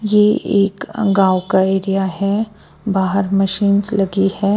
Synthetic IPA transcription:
jeeːkɡaːwkaeːɾijaɦɛ | baːɦəɾmɐʃiːnslɐɡihɛː

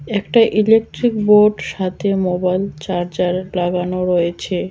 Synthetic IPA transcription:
ɛkʈaʔilek̚ʈɾikboɖʃat̪ʰemobajlt͡ɕaɾd͡ʑaɾlaɡanoɾɔet͡ɕʰe

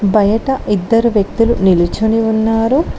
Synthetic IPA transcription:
bɐjɐʈɐʔid̪ːɐɾuʋjɐk̚t̪ulunilut͡ʃuniunːaːɾu

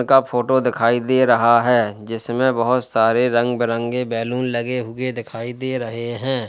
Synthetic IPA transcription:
kapʰoːʈod̪ɪkʰaːid̪eɾɐɦaɦɛːd͡ʒɪsmẽbɐɦʊt̪saːɾeɾɐ̃ŋɡbɪɾə̃ŋɡɡebɛːluːnlɐɡeɦʊed̪ɪkʰaːid̪eɾɐɦeɦɛ̃ː

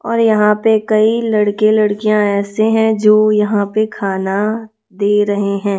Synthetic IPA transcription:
ɔːɾjɐɦãpekɐilɐɽkelɐɽkijãɛːseɦɛ̃d͡ʒoːjɐɦãpekʰaːna | d̪eːɾɐɦeɦɛ̃ː

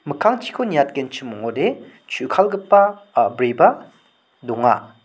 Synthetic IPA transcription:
mɯkʰaŋt͡ʃʰi̥kʰonijat̚kent͡ʃʰɯmɔŋɔde | t͡ʃʰukʰalɡɯpːabɾeba | dɔŋa

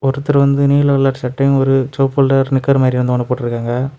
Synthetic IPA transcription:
ɔɾɯt̪ːɐɾʋɐnd̪ɯniːɭɐɐɭːaːʈsɐʈːɐjʊ̃ɔɾɯt͡ʃoːpːɐlɖɐɾnɪkːɐɾmaːd̪ɾiɪɾɐnd̪ɯkːɐndɐpoːʈːɪɾɯkːaːŋɡɐ

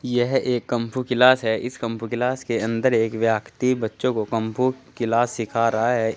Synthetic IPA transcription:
jɛɦeːkːə̃mpʰukɪlaːsɦɛʔɪskɐ̃mpʰukɪlaːskeɐ̃nd̪əɾeːkʋjaːkʰt̪ibɐtːʃõkokɐ̃mpʰukɪlaːsːɪkʰaːɾɐɦaɦɛ

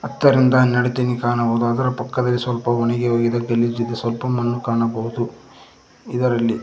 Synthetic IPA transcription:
ɐt̪ːɐɾind̪ɐnɐɽet̪enikaːɳɐbɐɦud̪uɐd̪ɐɾɐpɐkːɐd̪ɐlːisʋɐlpɐʋɔɳɐɡeɦoːɡid̪ɐɡelːid͡ʒid̪ːɐsʋɐlpɐmːɐnːukaːɳɐbɐɦud̪u | id̪ɐɾɐlːi

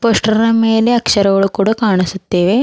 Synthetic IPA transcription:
poʂʈɐɾnɐmeːleɐkʂɐɾɐʋɐɭukuːɽakaːɳ̃isɐt̪ːeːʋe

